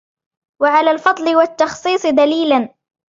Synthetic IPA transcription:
waʕalaːlfɑd̪ˤlɪwat̪ːɑxsˤiːsˤɨd̪aliːlan

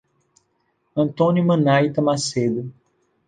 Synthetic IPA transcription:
ɐ̃nt̪õnumɐ̃najt̪ɐmased̪ʊ

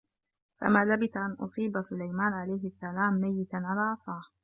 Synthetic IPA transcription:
fa̰maːlabɪθaʔanʔʊ̰sˤiːbasʊlajmaːnʕalajɦɪasːalaːmːajːɪt̪anʕalaːʕɑsˤɑːh

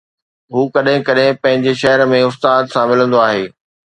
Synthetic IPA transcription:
ɦuːkɐɗɦɪ̃kɐɗɦɪ̃pɐ̃ɦɪ̃ɲd͡ʑeʃɐɦəɾmẽʊst̪aːd̪sãmɪl̤ə̃nd̪oaːɦeː

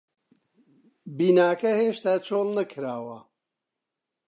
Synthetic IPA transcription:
biːnaːkɐheːʃt̪aːt͡ʃʰoːlnɐkʰɾaːwɐ

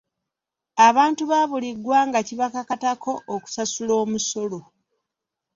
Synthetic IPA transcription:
aβaːntuβaːβuliɡwaːŋɡaciβakakatakʰo̞ʔːku̥sasulo̞ːmuso̞lo̞

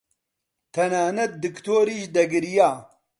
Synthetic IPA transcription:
t̪ʰɐnaːnɐt̪̚d̪ɨkt̪oːɾiːʃd̪ɐɡɨɾijaː

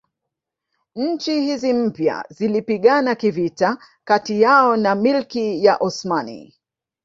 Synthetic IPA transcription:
ɲ̩t͡ʃihizim̩pja̰zilipiɠanakivita | katijaɔnamilkijaʔɔsmanḭ

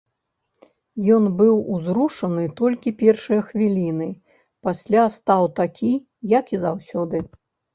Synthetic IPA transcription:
jɔnbɨwuzɾuʂɐnɨt̪ɔlʲkʲipʲɛrʂɐjɐxvʲilʲin̪ɨ | pasʲlʲast̪awt̪akʲʰi | jɐkizawsʲɔd̪ɨ

